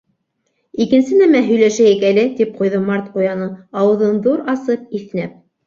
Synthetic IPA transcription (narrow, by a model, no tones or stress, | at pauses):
ikɘ̆nsɘnæmæɦɵ̆jlæʃæjɘkælɘt̪ip̚qujðɤmɑɾt̪qujɑnɤɑwɤ̆ðɤnðuɾɑsɤp̚iθnæp̚